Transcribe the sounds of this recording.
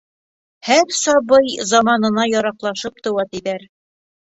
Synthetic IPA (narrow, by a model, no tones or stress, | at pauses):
hæɾsɒβɤjzɑmɑnɤ̆nɑjɒɾɑqlˠɑʃɤp̚t̪ɤ̆wɑt̪iðæɾ